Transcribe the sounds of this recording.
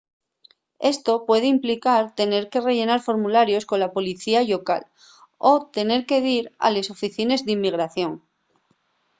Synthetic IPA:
e̞st̪o̞pwe̞ð̞eimplikaɾt̪e̞ne̞ɾke̞re̞ʝe̞naɾfo̞ɾmulaɾjo̞sko̞nlapo̞liθiaʎo̞ka̰l | o̞t̪e̞ne̞ɾke̞ðiɾa̰le̞so̞fiθine̞zðimːiɣɾaθjo̞ŋ

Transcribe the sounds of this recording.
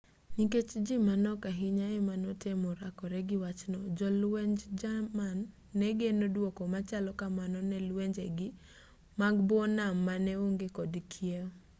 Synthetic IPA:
niket͡ʃd͡ʒimanɔkaɦɪɲaɛmanɔtʰemɔɾakɔɾɛɡɪwat͡ʃnɔd͡ʒɔlweɲd͡ʒd͡ʒamanː | ɛɡenodwokɔmat͡ʃalɔkamanɔnɛlweɲd͡ʒeɡɪ | maɡbɔnamːanɛoŋɡekɔdkʰje

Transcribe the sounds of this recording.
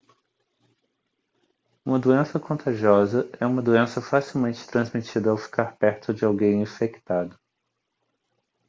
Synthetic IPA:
ũmɐd̪uẽsɐkõnt̪aʒiɔzɐɛũmɐd̪uẽsɐfasiwmẽnt͡ʃɪ̥t̪ɾɐ̃zmit͡ʃid̪ɐawfi̥kaɾpɛɾt̪ʊd͡ʒɪawɡẽj̃ĩfekt̪ad̪ʊ

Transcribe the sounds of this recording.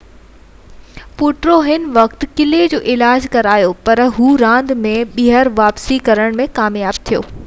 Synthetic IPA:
pʊʈɾoɦɪnʋɐkt̪̆kɪled͡ʑoːʔɪlaːd͡ʑkɐɾaːjopɐɾɦuːɾãːnd̪mẽɓiɦəɾʋaːpsikɐɾəɽ̃mẽkaːmjaːbt̪ʰijo̰ː

